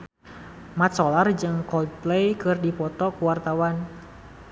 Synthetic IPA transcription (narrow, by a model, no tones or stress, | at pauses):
mat̪sɔlard͡ʒɨŋkɔdplɛjkɨrdipɔt̪ɔkuwart̪awan